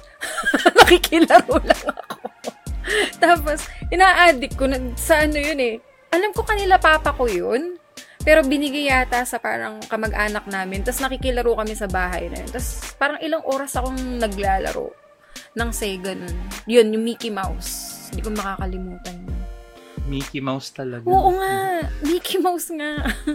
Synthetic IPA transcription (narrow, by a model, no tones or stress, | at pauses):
nɐkikɪlɐɾolɐŋɐɐkʰo | t̪aːpo̞sʔɪnaːʔaːd̪ɪk̚kːonɐsɐʔɐno̞jonɛ | ʔɐlamko̞kɐnɪlapaːpɐko̞jonpɛːɾo̞bɪnɪɡɐjaːt̪asɐpa̰ːɾɐ̰ŋkɐmɐɡʔaːnɐk̚naːmɪnt̪ɐsnɐkɪkɪlɐɾokɐmɛsɐbaːɦɐ̰jnɐ̰jo̰nt̪ɐspaːɾɐŋʔɪlaŋʔo̞ːɾɐsɐko̞ŋnɐɡlaːlɐ̰ɾo̰ | nɐŋsɛɡɐnonjo̞njʊŋmiːkɪmawsnd̪iːkomɐkaːkɐlɪmuːt̪ɐnjonmiːkɪmawst̪ɐlɐɡoːʔoŋamiːkɪmawsŋaʔ